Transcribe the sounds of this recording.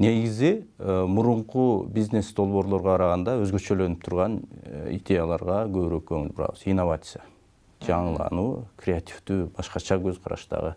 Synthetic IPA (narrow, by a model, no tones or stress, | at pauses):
ne̞ɡizimuɾuɴqubizne̞sd̪o̞lˠβo̞ːɾlˠo̞ɾʁoqʰɑɾɑʁɑnd̪ɑø̞zɡø̞t͡ʃø̞lø̞nyp̚t̪ʰuɾʁɑnḭdʲe̞jalˠɑɾʁɑɡø̞βyɾykʰøŋylbuɾɑ̰βɯzinːo̞vat̪sɨja | d͡ʒɑɴɯlˠɑ̰nuːkrʲeat̪ʲʰi̥fd̪yːbɑʃqɑt͡ʃɑɡø̞zqʰɑɾɑ̰ʃt̪ɑ̰ʁɯ